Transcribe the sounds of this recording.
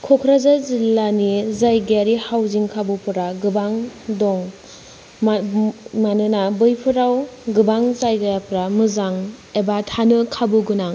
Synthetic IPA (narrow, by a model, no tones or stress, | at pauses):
kʰɔkʰɾazazilːanizajɡaɾihawziŋkʰabɯpʰɯɾaɡɯbaŋdɔŋ | manɯnabɯjpʰɯɾawɡɯbaŋzajɡajapɾamɯzaŋebatʰanɯkʰabuɡɯnaŋ